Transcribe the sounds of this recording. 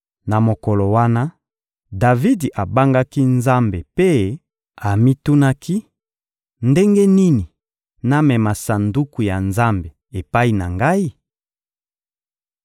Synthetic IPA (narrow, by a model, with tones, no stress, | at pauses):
na˨mo˨kɔ˨lo˨wa˦na˦ | da˨vi˦di˨ʔa˨ba˦ŋɡa˦ki˦nza˦mbe˨pe˦ | a˨mi˦tu˦na˦kʰi˦ | nde˦ŋɡe˦ni˦ni˨ | na˦mɛ˨ma˨sa˨ndu˦ku˨ja˨nza˦mbe˨ | e˨pa˦i˨na˨ŋɡa˦i˦